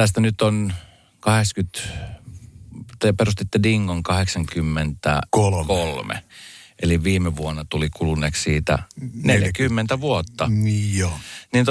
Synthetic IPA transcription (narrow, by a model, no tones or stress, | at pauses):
t̪æst̪ænyt̪on | kɑhekskyt̪ | t̪eperust̪it̪ːediŋːoŋkɑheksɑŋkymːent̪æ̰kolkolmḛʔeliʋʋiːmeʋuonːɑt̪ulikulunːˑeːkssiːt̪æ̰neljækymːent̪æʋuot̪ːɑnoniːnt̪